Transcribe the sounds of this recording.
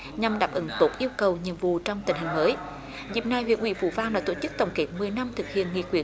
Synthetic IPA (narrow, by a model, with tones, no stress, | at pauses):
ɲa˨˧˩mɗaː˨˩p̚ʔə˨˦ŋt̪o˦˥p̚ʔi˧əwkə˨˩wɲi˧˨əmvṵ˧˨t͡ɕɔ˧wŋ͡mt̪ï˧˩ŋhï˨˩ŋ̟məː˨˦j | zḭ˨˧˩əp̚na˧jɦwḭ˧˨ənʔwḭ˧əvṵ˧˩vaː˧ŋɗaː˧˥t̪o˧˩t͡ɕɨ˦˥k̚t̪ə˨˩wŋ͡mke˨˥t̚mɨ˨˩əjna˧mt̪ʰɨ˨˩k̚hḭ˧˨ənŋḭ˧˨kwḭ˧˩ə